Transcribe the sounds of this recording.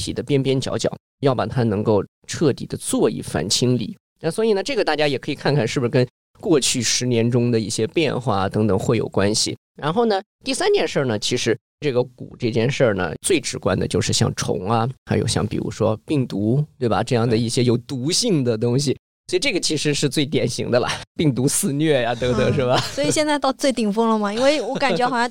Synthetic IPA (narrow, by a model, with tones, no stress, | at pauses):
t̪ʰḭ˨˩d̪ə˦pjɛ˥npjɛ˥nt͡ɕjɑ̰˧˥ʊt͡ɕjɑ̰˨˩˦ʊ | jɑ˥˩ʊpa˨˩t̪ʰa˥nɤ˧˥ŋko˥˧ʊ | ʈ͡ʂʰɤ˥˩t̪ḭ˨˩d̪ə˦t͡swɔ˥˧ḭ˥˩fa̰˧˥nt͡ɕʰi˥ŋlḭ˨˩˦ | na˥˩swɔ˧˥i˨˩nə˦ʈ͡ʂɤ˥˩ɡə˩t̪a˥˩t͡ɕja˥jɛ˨˩kʰɤ˧˥i˨˩kʰa˥˧nkʰa˥˧nʂɻ̩˥˩bu˩ʂ̩˥kə˥n | kwɔ˥˧t͡ɕʰy˥˩ʂɻ̩˧˥njɛ˧˥nʈ͡ʂʊ˥ŋd̪ə˨i˥˩ɕjɛ˥pjɛ˥˧nxwa̰˥˩t̪ɤ˧˥ŋt̪ɤ˨˩ŋxwe˥˩jo̰˨˩ʊkwa˥nɕḭ˨˩ | ɻa˧˥nxo˥˩ʊnə˩ | t̪i˥˩sa˥nt̪jɛ˥˧nʂə˞˥˩nə˩t͡ɕʰi˧˥ʂɻ̩˧˥ | ʈ͡ʂɤ˥˩ɡə˩kṵ˨˩ʈ͡ʂɤ˥˩t͡ɕjɛ˥˧nʂə˞˥˩nə̰˩t͡swe˥˩ɪʈ͡ʂɻ̩˧˥kwa̰˥nd̪ə˨t͡ɕjo˥˧ʊʂɻ̩˥˧ɕjɑ̰˥˧ŋʈ͡ʂʰʊ̰˧˥ŋɐ˧xa˧˥ɪjo̰˨˧˩ʊɕjɑ˥˩ŋpḭ˨˩ɻṵ˧˥ʂwɔ˥pi˥˩ŋt̪u˧˥t̪we˥˩ɪbɐ̰˩ʈ͡ʂɤ˥˧jɑ˥˩ŋd̪ə˩i˥˩ɕjɛ˥jo˨˩ʊt̪u˧˥ɕi˥˩ŋd̪ə˩t̪ʊ˥ŋɕi˨ | swɔ˧˥i˨˩ʈ͡ʂɤ˥˩ɡə˩t͡ɕʰi˧˥ʂɻ̩˧˥ʂɻ̩˥˧t͡swe˥˩ɪt̪̬jɛ˨˩nɕḭ˧˥ŋd̪ə˧lɐ̰˨pi˥˩ŋt̪̬u˧˥sɹ̩˥˧nɥɛ˥˩ja˩t̪ɤ˧˥ə˧ʂɻ̩˥˩ba˩swɔ˥i˩ɕjɛ˥˧nt͡sa˥˧ɪt̪ɑ˥˧ʊt͡swe˥˩ɪt̪i˨˩ŋfɤ˥ŋlə˨mɐ˩i˥nwe˥˩ɪwɔ˧˥ka˨˩t͡ɕɛ˧˥ɑ˨˩ɕɑ˥